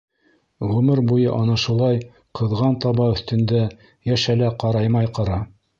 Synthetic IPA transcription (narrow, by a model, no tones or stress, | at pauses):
ʁʉmɘɾbujɤʔɑnɑʃulˠɑj | qʰɤ̆ðʁɑnt̪ɑβɑɵ̆θt̪ɵ̆nd̪æ | jæʃælæqɑɾɑjmɑjqɑɾɑ